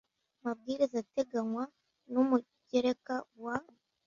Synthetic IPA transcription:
mab̚ɡiːɾizate̞ɡaŋwa | numu | ɟeɾekawa

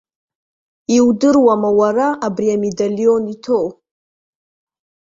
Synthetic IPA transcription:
iwdɨrwamawaɾaʔabɾiamedalijonitʰoʔ

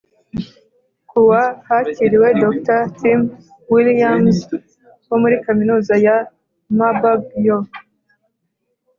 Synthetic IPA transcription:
kuwahaciɾiwe̞doktatim | wilamz | womuɾikaminuːzaja | mababjo

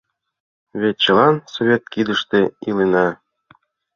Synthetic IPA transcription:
βet̪̚t͡ɕɤ̆lˠɑnsoβʲet̪̚kid̪əʃt̪eilenɑ

